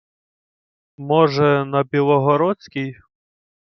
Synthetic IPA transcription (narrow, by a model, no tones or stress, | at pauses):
mɔʒɛnɐbʲilˠɔɦɔɾɔt͡sʲkʲij